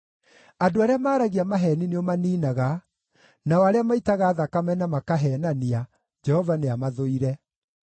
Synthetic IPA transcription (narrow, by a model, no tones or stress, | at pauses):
adoaɾeamaːɾaɣiamaɦɛnineɔmaniːnaɣa | naɔaɾeamaitaɣaːðakamɛnamakaɦɛnania | d͡ʒɛhɔvaneamaðoiɾɛ